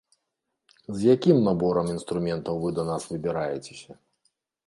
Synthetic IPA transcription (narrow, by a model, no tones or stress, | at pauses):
zjakʲimnabɔɾɐminst̪ɾumʲɛnt̪ɐwvɨd̪ɐnasvɨbʲɪɾajɛt͡sʲe̥sʲɐ